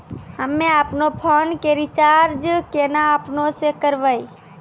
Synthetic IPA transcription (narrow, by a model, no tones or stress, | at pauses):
həmːẽaːpnopʰoːnkeɾit͡ʃaɾd͡ʒkenaːpnõsekəɾʋəi